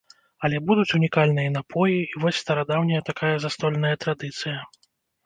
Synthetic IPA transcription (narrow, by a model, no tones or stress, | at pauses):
ɐlʲɛbud̪ut͡sʲunʲikalʲnɨjɐnapʰɔjiivɔsʲst̪ɐɾad̪awnʲɐjɐt̪akʰajɐzast̪ɔlʲnɐjɐt̪ɾad̪ɨt̪sɨjɐ